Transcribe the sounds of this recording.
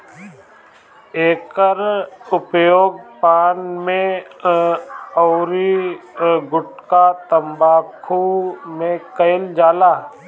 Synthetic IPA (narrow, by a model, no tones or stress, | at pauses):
eːkəɾʊpjoːɡ̚paːnmẽ | ɔːɾi | ɡʊʈkat̪əmbaːkʰumẽkəɪld͡ʒaːlaː